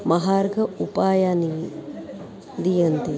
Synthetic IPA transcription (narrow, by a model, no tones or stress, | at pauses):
mɐɦaːɾɡʱɐupaːjaːni | d̪ijɐnt̪i